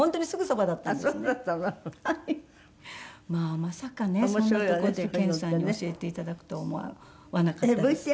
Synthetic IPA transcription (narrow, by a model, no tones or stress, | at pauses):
õ̞nt̪oɲ̟isɨɡɯ̟so̞bad̪at̪ːaneat̪ːanahai | maːmasakane̞onːt̪okoɾod̪ekẽ̞ɰ̃sãɲ̟ːioɕie̞t̪e̞it̪ad̪akɯ̟̥t̪omoa̰ | βanakabɯe